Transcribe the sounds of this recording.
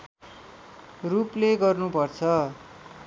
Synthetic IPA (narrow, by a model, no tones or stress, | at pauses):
rupleɡʌrnupʌrt͡sʰʌ